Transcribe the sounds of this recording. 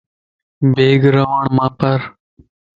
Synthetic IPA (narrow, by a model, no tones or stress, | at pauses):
beːɡɾəʋəɳmãːpəɾ